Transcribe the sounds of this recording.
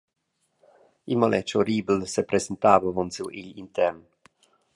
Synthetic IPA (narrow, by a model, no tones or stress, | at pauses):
imolʔɛt͡ʃoɾiːbl̩sepɾezent̪aːvavɔnsuwiʎḭnt̪ɛɾn